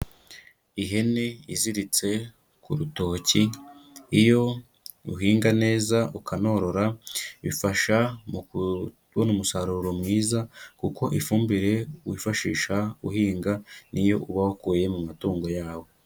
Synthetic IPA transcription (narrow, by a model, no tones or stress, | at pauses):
iɦe̞ne̞iziɾit͡se̞ | kṵɾuto̞ːci | ijo̞ | ṵɦiːŋɡane̞ːzaukʰano̞ɾo̞ɾaβifaʃamu | wonumusaɾuɾo̞mŋiːzakuko̞ʔifuːmbiɾe̞wifaʃiːʃauhiːŋɡanʔijo̞ʔuβahokuːje̞mumatuːŋɡo̞jaːwo̞